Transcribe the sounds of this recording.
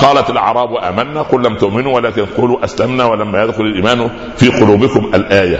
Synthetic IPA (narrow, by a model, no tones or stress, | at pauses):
qɑːlat̪alʕɑ̰ɾˤɑːbwaʔaːmanːaːqʊlːamt̪ʊʔmɪnuːwalaːkɪnquːluːʔaslamnaːwalamːæjad̪xʊlalʔiːmaːn | fiːqʊluːbɪkʊmʔalʔaːja